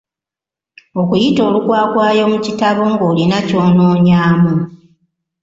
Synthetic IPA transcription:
o̞kujito̞ːlukwaːkwaːjo̞mucitaβo̞ŋɡo̞ːlinaco̞ːno̞ːɲaːmu

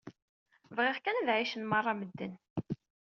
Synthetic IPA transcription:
vʁiʁkænðʕiʃənmɑrˤːɑməd̪ːən

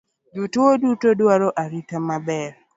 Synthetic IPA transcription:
dutwodutodwaɾɔʔaɾitamabɛɾ

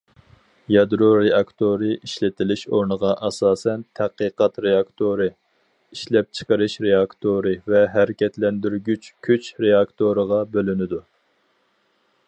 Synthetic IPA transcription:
jɑd̪ɾoɾeɑkt̪ʰoɾɨʔiʃlɪt̪ʰɪlɪʃo̰ɾnəʁɑʔɑsɑːsɛnt̪ʰæqəqɑt̪ɾeɑkt̪ʰoɾɨ | iʃlɛp̚t͡ʃʰə̥qəɾɨʃɾeɑkt̪ʰoɾɨvɛɦæɾɪkʲʰɛt̪lɛnd̪yɾɡʲyt͡ʃkʲʰyt͡ʃɾeɑkt̪ʰoɾəʁɑbølynɪd̪u

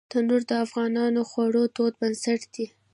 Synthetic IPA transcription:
d̪̥ənoɾd̪əafɣɑnɑnoxwaɽot̪od̪bansaʈd̪̥i

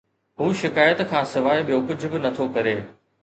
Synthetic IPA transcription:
ɦuːʃɪkaːjət̪kʰãːsɪʋaːɪɓijokʊd͡ʑʱʊbɪnɐt̪ʰokɐɾeː

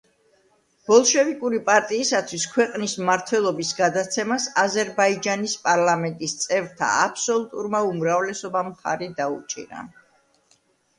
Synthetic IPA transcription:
b̥ɔlˠʃɛvikʼuɾipʼaɾt̪ʼiːsat̪ʰwiskʰwɛqʼnismaɾt̪ʰwɛlˠɔbisɡad̪at̪sʰɛmasazɛɾbaid͡ʒanispʼaɾlˠamɛnt̪ʼist̪sʼɛvɾt̪ʰa̰apʰsɔlˠut̪ʼuɾmaumɾavlɛsɔbamχa̰ɾid̪aṵt͡ʃʼḭɾa̰

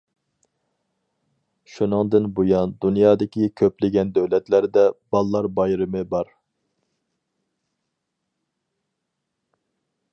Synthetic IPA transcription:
ʃunɨŋd̪ɪnbojɑnd̪unjɑːd̪ɪkʲʰikʲʰøplɪɡʲɛnd̪øwlɛt̪læɾd̪ɛbɑlˠːɑɾbɑjɾɪmɨbɑɾ

